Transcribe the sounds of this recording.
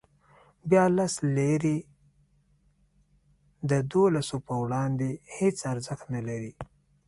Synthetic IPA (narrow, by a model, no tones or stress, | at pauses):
bjɑlasleɾi | d̪əd̪olasopəwɽɑnd̪ehet͡saɾzəxt̪nalaɾi